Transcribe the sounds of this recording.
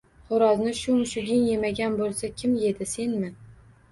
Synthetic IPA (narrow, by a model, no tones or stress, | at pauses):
χʊɾɒznɪʃʊmʊʃʊɡʲɪŋje̞maɡʲanbolˠsakʲʰɪmje̞d̪ɪse̞nmɪ